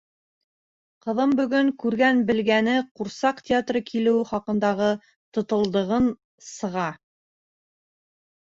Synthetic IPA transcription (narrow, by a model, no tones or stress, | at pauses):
qɤ̆ðɤmbɵ̆ɡɵŋkʉɾɡænbɘ̆lɡænɘquɾsɑqt̪ʲɪat̪rɤkʰilɘwχɑqɤ̆nd̪ɑʁɤ | t̪ŏt̪ɤ̆lˠd̪ɤ̆ʁɤn | sɤ̆ʁɑ